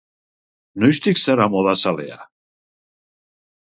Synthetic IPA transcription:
nojʃt̪iksaɾamoðasalḛa̰

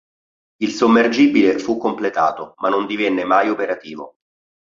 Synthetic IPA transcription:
ilsomːerd͡ʒiːbilefukːomplet̪a̰ːt̪omanːond̪ivɛnːemajopeɾat̪iːvo̰

